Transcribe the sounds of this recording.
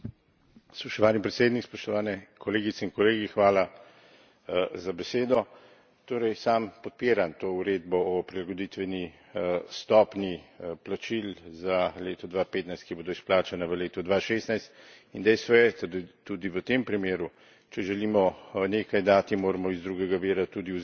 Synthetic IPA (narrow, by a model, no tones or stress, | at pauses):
spɔʃt̪ɔʋaːnipɾɛt̪seːd̪nikspɔʃt̪ɔʋaːnɛkʰɔleːɡit̪sɛinkɔleːɡixʋaːla | zabɛseːd̪ɔ | t̪oːɾɛjsampɔt̪̚peːɾant̪oːuɾed̪bɔɔpɾilaɡod̪it̪ʋɛni | st̪ɔːpniplat͡ʃilzaleːt̪ɔd̪ʋapeːt̪najst̪kiboːd̪ɔisplaːt͡ʃanaʋəleːt̪ɔd̪ʋaːʃeːst̪najst̪ | ind̪ɛjst̪ʋɔjɛt̪ad̪t̪ud̪iʋət̪empɾimeːɾu | t͡ʃɛʒɛliːmɔneːkajd̪aːt̪imoːɾɛmɔizd̪ɾuɡɛɡaʋiːɾat̪ud̪iu